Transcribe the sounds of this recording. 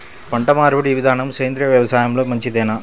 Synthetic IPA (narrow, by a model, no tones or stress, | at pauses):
pɐɳɖɐmaːɾʋɐɽiʋɪðaːnɐmsɐjɐnd̪ɾɪjɐʋjɐʋɐsaːjɐmlɐmɐɲd͡ʒit̪eːnaː